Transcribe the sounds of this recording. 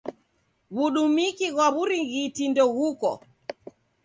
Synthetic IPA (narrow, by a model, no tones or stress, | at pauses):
βuɗumikiɣwaβuɾiŋɣitindɔɣukɔ̰